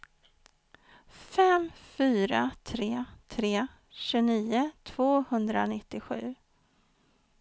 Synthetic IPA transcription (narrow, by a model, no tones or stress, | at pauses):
fɛmfyːɾat̪ʰɾeːt̪ʰɾeː | ɕɵniːʊt̪ʰv̥oːhɵnd̪ɾa̰nɪt̪ːɪɧʉ̟ː